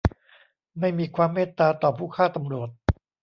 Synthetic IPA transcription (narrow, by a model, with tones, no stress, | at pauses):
ma˥˩jmiː˧kʰwaː˧mːeː˥˩t̪ːaː˧t̪ɔː˨˩pʰuː˥˩kʰaː˥˩t̪a˧mɾu˨˩ət̪̚